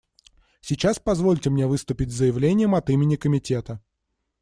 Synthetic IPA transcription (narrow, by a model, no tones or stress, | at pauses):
sʲɪt͡ɕaspɐzvo̞lʲtʲɪmnʲe̞vɨst̪ʊpʲɪtʲzəjɪvlʲenʲɪjəmɐt̪imʲɪnʲɪkəmʲɪtʲe̞t̪ə